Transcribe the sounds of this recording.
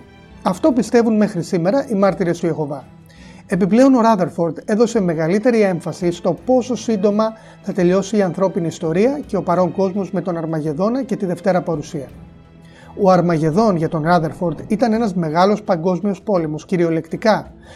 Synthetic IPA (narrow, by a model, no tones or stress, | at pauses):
ɐft̪o̞pist̪e̞vunme̞xɾisime̞ɾɐʔimɐɾt̪iɾe̞st̪uje̞xo̞vɐ | e̞piple̞o̞no̞ɾɐðe̞ɾfo̞ɾd̪e̞ðo̞se̞me̞ɣɐlit̪e̞ɾie̞ɱfɐsist̪o̞po̞so̞sind̪o̞mɐ | θɐt̪e̞ʎo̞siːɐnθɾo̞piniːst̪o̞ɾiɐce̞o̞pɐɾo̞ŋko̞zmo̞zme̞t̪o̞nɐɾmɐʝe̞ðo̞nɐce̞t̪iðe̞ft̪e̞ɾɐpɐɾusiɐ | oɐɾmɐʝe̞ðo̞nʝɐt̪o̞nɾɐðe̞ɾfo̞ɾd̪it̪ɐne̞nɐzme̞ɣɐlo̞spɐŋɡo̞zmio̞spo̞le̞mo̞sciɾio̞le̞kt̪ikɐ